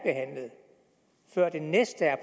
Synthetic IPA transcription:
b̥e̝ɦæn̰ləð̩ˠ | fɶɐ̰d̥e̝nesd̥əæɐpʰ

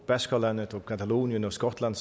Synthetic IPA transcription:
b̥ɛskalanətɔkʰat̪ʰaloːnjənɔskɔtʰlans

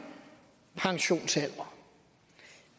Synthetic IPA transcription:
pʰɑ̈ŋɕo̝̰ːnsel̰ɐ

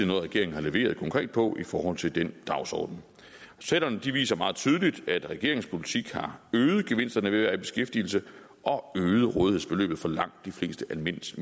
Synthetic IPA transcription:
enɔð̩ˠʁɛɡ̥e̝ɐe̝ŋ̩hɑ̈leʋe̝̰ːɐðˠkʰɒ̽ŋkʰʁɛ̰ːd̥̚pʰɒ̽ʔifɒːhɒ̽l̰t͡sʰe̝ld̥end̥ɑ̈ʊsɒ̰ːd̥n̩ | seɾ̥ɐnəd̥iʋḭːsɐmɑ̈ːð̩ˠt͡sʰyːð̞ˠəlid̥æd̥ʁɛɡ̥e̝ɐe̝ŋspʰolit͡sʰiɡ̥hɑ̈øːð̞̩ˠɡ̥eʋe̝n̰sd̥ɐnəʋe̝ʋæɐib̥e̝sɡ̥efd̥il̩sə | ʔɒ̽øːð̞̩ˠʁɔːðˠihe̝̰sb̥e̝lø̰ːb̥ð̩ˠfɒ̽lɑ̈ŋ̰d̥ːifle̝̰ːsd̥əʔælme̝n̰s

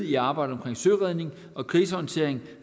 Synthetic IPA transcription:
iɑ̈ːb̥ɑ̈ɪɾ̥əɒ̽mkʰʁeŋsøːʁɛð̞ˠne̝ŋ | ʔɒ̽kʰʁiːs̬əɒnt͡sʰe̝ɐ̰eŋ

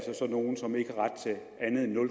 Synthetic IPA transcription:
lsɒsɒ̽no̝ːn̩sɒ̽me̝ɡ̥əhɑ̈ʁɑ̈d̥̚t͡sʰe̝ | ænð̩ˠenːɔ̽l

